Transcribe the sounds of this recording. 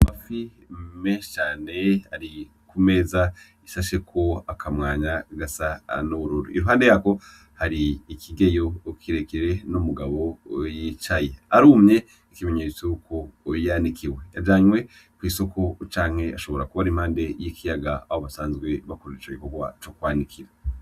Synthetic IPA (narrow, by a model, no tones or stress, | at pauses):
mafi | meːʃt͡ʃaːne̞haɾi | kume̞ːza | isaʃe̞kʰo̞akʰamŋaːɲaɡasanuβuɾuɾṵiɾuɦaːnde̞jako̞ | haɾiːkiɡe̞jo̞ːkʰiɾe̞kiɾe̞numuɡaβo̞jit͡ʃaje̞aɾuːmɲe̞ | ikime̞ɲeːt͡sokʰoːjandikʰiwe̞jad͡ʒaːɲwe̞ | kwiːso̞kʰo̞t͡ʃaːŋ̥he̞aʃo̞βo̞ɾakuβaɾimhaːnde̞jikʰijaɡaahoβasaːnzɡwe̞βakoɾet͡ʃoɡiko̞ɡwat͡ʃo̞kwaːndikʰiɾa